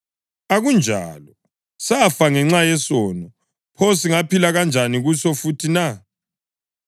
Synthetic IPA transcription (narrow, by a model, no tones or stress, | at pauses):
aɣund͡ʒʱa̰ːlɔ | safaŋɛŋ͡ǁajɛsɔːnɔ | pʰɔsiŋapilaɣand͡ʒʱaniɣusɔfutʰina